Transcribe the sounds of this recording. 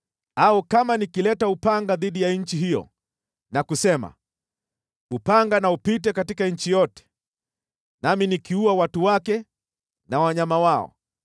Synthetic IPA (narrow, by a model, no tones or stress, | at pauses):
aukamanikilɛtaupaŋɡaðiɗijaɲ̩t͡ʃiɦijɔ̰ | nakusɛma̰ | upaŋɡanaupitɛkatikaɲ̩t͡ʃijɔtɛ̥ | naminikiuawatuwakɛ | nawaɲamawaɔ̰